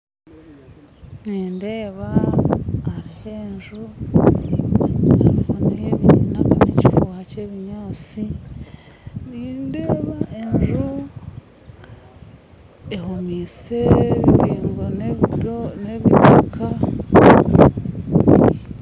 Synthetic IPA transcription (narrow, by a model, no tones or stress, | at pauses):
niːnde̞ːβaː | ɾiheːɲʒu | aβoneβiinakaɾeciɾowaːceβiɲaːt͡si | ninde̞ːβaʔeɲʒu | ehumiːseiɾiːŋɡo | neβitakʰa